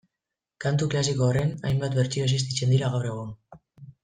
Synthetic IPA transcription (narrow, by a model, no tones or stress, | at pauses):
kant̪uklasikoːre̞najmbat̪beɾt͡ʃiɾos̬is̬t̪it͡se̞nd̪iɾaɣawre̞ɣ̞un